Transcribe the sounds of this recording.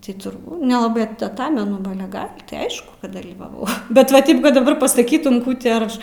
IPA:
tɐɪ tʊrˈbuː nʲɛlˠɐˈbɜ tɐˈtɑːmʲɛnʊ ˈbɐ ˈɑːlʲɛ ˈɡɐlʲ tʲɪ ˈɐɪʃkʊ kɐt dɐlʲiːʋɐˈʋɐʊ ˈbʲɛt ʋɐ ˈtʲɪp kɐt dɐˈbɐr pɐsɐˈkʲiːtʊm ˈkuː tʲɪ ɐr ˈɐʃ

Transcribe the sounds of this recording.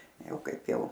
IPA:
ˈjɛʊ ˈkɐɪp ˈjɛʊ

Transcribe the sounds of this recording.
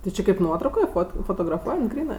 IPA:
tʲɪ ˈt͡ʃʲɪ kɐɪp ˈnuɔtrɐʊkoːj ˈfoːt foːtoːɡrɐˈfuɔjɛnt ˈɡrʲiːnɜ

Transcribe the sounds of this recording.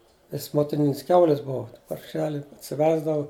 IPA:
nʲɛs moːtʲɪˈnʲɪnʲɪs ˈkʲɛʊlʲɪs ˈbʊʋɐ pɐrʲˈʃʲæːlʲɪ ɐtʲsʲɪˈʋʲæːzdɐʋʊ

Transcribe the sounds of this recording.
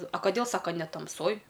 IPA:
ɐ kɐˈdʲeːlˠ ˈsɑːkɐ nʲɛ tɐmˈsoːj

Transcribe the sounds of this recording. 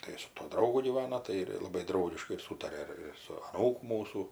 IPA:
ˈtɐɪ sʊ tuɔ ˈdrɐʊɡʊ ɡʲiːˈʋɑːnɐ ˈtɐɪ ɪr ˈlˠɑːbɐɪ ˈdrɐʊɡʲɪʃkɐɪ ɪr ˈsuːtɐrʲɛ ɪr ɪr sʊ ɐˈnuːkʊ ˈmuːsuː

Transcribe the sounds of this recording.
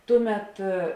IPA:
ˈtʊˌmʲɛt

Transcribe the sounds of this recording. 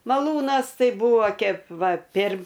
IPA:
mɐˈlˠuːnɐs ˈtɐɪ ˈbuːʋoː ˈkʲeːp ˈʋɐ pʲeːr

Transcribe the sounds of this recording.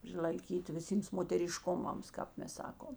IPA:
pʲrʲɪlˠɐɪˈkʲiːtʲɪ ʋʲɪˈsʲiːms moːtʲɛrʲɪˈʃkʊmɐms kɑːp ˈmʲɛs ˈsɑːkoːm

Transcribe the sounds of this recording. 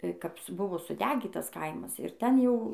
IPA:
kɐp sʊ ˈbʊʋoː sʊˈdʲæːɡʲiːtɐs ˈkɐɪmɐs ɪr ˈtʲɛn ˈjɛʊ

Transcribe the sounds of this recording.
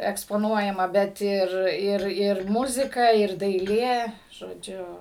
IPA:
ɛkspoːˈnuɔjɛmɐ bʲɛt ˈɪr ˈɪr ˈɪr ˈmʊzʲɪkɐ ɪr dɐɪˈlʲeː ʒoːˈd͡ʒʲʊ

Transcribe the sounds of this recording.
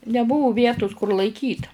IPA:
nʲɛˈbʊʋʊ ˈʋʲiɛtʊs kʊr lˠɐɪˈkʲiːt

